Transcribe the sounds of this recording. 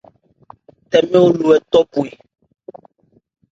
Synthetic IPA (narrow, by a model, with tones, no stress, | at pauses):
t̪ɛ˨mɛ̃˦wo˦lu˨ɛ˨t̪ɔ˦pu˨i˨